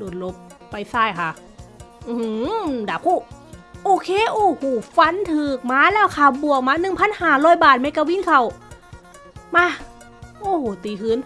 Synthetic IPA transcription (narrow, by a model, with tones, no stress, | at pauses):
doː˨˩n̚lo˧˥pː | a˧˩jsaː˧˩jkʰa˧˩ | ʔdaː˨˧˩kʰuː˧˥˩ʔoː˧˩kʰeː˧˥˨ʔoː˧˩huː˧˩fa˧˥nt̪ʰɯː˧˩k̚maː˧˥˨lɛː˧˥˩wkʰa˧˩bu˧˩ək̚maː˧˥nɯ˨˩ŋpʰa˧˥˨nhaː˧˩ɾɔː˧˥˨jbaː˨˩t̪̚ma˧˥jka˧wi˧˥nkʰa˧˩w | maː˧˥˨ | ʔoː˧˩hoː˨˩t̪iː˨˩kʰɯː˧˥˨n